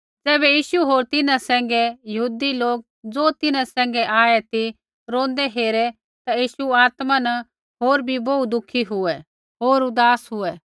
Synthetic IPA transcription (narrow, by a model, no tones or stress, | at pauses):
d͡zɛːbɛjiːʃuɦoːɾt̪ɪnãsɛ̃ːŋɡɛjɐɦuːd̪iloːk̚ | d͡zoːt̪ɪnãsɛ̃ːŋ̆ɡɛʔaːɛt̪i | ɾõːnd̪ɛɦeːɾɛ | t̪ajiːʃuaːt̪manɐ | ɦoːɾbʱiboud̪ʊkʰiɦʊɛ | ɦoːɾʊd̪aːsɦʊɛ